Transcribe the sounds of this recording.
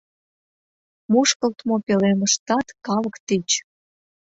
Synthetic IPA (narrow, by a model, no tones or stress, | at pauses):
muʃkəlt̪mopeleməʃt̪ɑt̪kɑləkt̪it͡ɕ